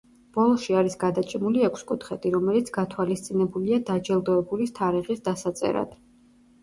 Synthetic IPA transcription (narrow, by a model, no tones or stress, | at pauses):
b̥ɔlˠɔʃiaɾisɡad̪at͡ʃʼimuliɛkʷʰskʼut̪ʰχɛt̪ʰʼiɾɔmɛlit̪sʰɡat̪ʰwalist̪sʼinɛbuliad̪ad͡ʒɛlˠd̪ɔɛbulist̪ʰaɾiʁisd̪asat̪sʼɛ̰ɾa̰d̪̥